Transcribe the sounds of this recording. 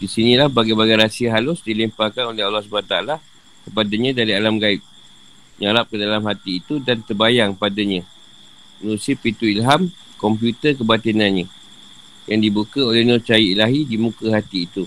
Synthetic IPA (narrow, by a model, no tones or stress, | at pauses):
disinĩlahbaɡajbaɡajɾasiaɦalʊsdilimpakanolɛɦalːɑhsubaat̪aala | kəpadaɲãdaɾialamɡaɪk̚ | ɲaɾap̚kədalamɦat̪iːt̪udant̪ərbajaŋpadaɲã | mənũsiəpit̪uilɦam | kɔmpjut̪ərk̬əbat̪inanɲã | jaŋdibukaolehnɔt͡ʃajiilaɦidimũkəɦat̪iːt̪u